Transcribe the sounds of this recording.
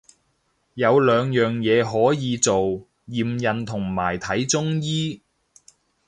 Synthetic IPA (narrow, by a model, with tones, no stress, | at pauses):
jɐ˨˧wlœː˨˧ŋjœː˨ŋjɛː˨˧ɦɔː˨˥jiː˨˧t͡so˨w | jiː˨˩mjɐ˨nt̪ʰʊ˨˩ŋmaː˨˩jt̪ʰɐ˨˥jt͡sʊ˥ŋjiː˥